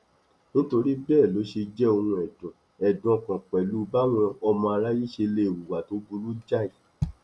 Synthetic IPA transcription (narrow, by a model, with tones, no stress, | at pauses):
nĩ˦to˧ɾi˦bɛː˦˨lo˨˦ʃe˧d͡ʒɛ˦o˧hũ˧ɛ˨dɔ̃˨ | ɛ˨dɔ̃˨kã˨k͡pɛ˨lu˨˦˧ba˦w̃ɔ̃˧ɔ˧mɔ̃˧a˧ɾa˦ji˦ʃe˧le˧˦e˨wu˨wa˨to˨˦bu˧ɾu˦d͡ʒa˦˨i˨